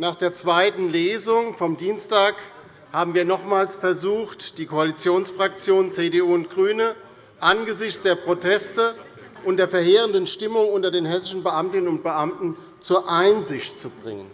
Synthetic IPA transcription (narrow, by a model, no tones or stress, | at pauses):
naːχd̥eːɐt͡sv̥aɪtn̩leːzʊŋfɔmdiːnstaːk | haːbm̩viːɐnɔχmaːlsfɛɐzuːxtd̥iːkʰoalit͡sjoːnsfʁ̥ak̚t͡sjoːnt͡seːdeuːʊntɡ̥ʁyːnə | ʔanɡəzɪçt͡sd̥eːɐpʁ̥otʰɛstə | ʔʊntd̥eːɐfɛɐɦeːʁəndənʃtɪmʊŋʊntɐdeːnhɛsɪʃn̩bəʔamtɪnənʊnt̚b̥əʔamtn̩ | t͡suːɐʔaɪnzɪçtt͡subʁɪ̰ŋə̰n